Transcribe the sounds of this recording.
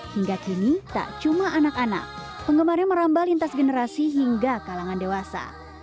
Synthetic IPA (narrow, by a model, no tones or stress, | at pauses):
hiŋɡakinit̪a̰ʔt͡ʃumaʔanakana̰k̚ | pəŋɡəmaɾɛŋməɾambalint̪asɡənəɾasiɦiŋɡakalaŋandewasa̰